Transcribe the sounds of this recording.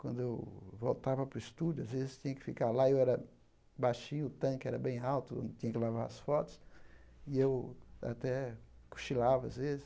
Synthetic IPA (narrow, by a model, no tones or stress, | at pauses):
kwɐ̃nd̪ʊewvowt̪avɐpɾʊɪst̪udʊazvezɪst̪ĩɲɐkɪ̥fikaɾlaewɛɾɐ | bajʃĩɲʊːt̪ɐ̃kɪɛɾɐbẽj̃awt̪ʊõ̰d̪ɪt̪ĩɲɐkɪlavaɾɐsfɔt̪ʊ̥siewa̰t̪ɛku̥ʃilavɐazvezɪ